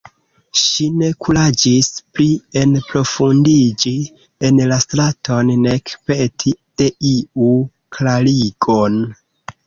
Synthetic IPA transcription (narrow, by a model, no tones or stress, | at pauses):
ʃine̞kuɾad͡ʒisplie̞npɾo̞fundid͡ʒi | enlastɾato̞nːe̞kpetʰid̥e̞ʔiu | klaliɡon